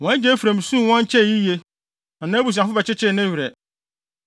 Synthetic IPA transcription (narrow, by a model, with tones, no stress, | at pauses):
wɔ̃˨˦d͡ʑɛ˦fu˨ɾæ̃˨m˨sũ˦˨wɔ̃˦ɲ˦t͡ɕʰɛ˦˨ji˦je˦ | nã˨nãː˦bu˨s̬ã˨fʊ˦bɛ˨t͡ɕʰɪ˦t͡ɕʰɪ˦˨nɪ̃˦ɥɾɛ˨